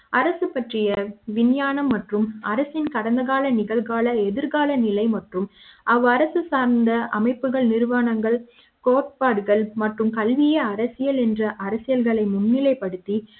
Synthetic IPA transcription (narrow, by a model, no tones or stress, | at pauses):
ɐɾɐsɯpːɐʈrɪjɐʋɪnjaːnɐmːɐʈrɯmɐɾɐsɪnkɐɽɐnd̪ɐɣaːlɐnɪɣɐɭɣaːlɐɛðɪɾɣaːlɐnɪlɐɪmɐʈrɯm | ʔɐʋɯɐɾɐsɯsaːɾnd̪ɐʔɐmɐɪpːɯɣɐɭnɪɾʋaːnɐŋɡɐɭ | koːʈ̚paːɽɯɣɐɭmɐʈrɯmkɐlʋɪjɐɐɾɐsɪjɐlɛndrɐʔɐɾɐsɪjɐlɣɐɭɐɪmʊnːɪlɐɪpːɐɽɯt̪ːi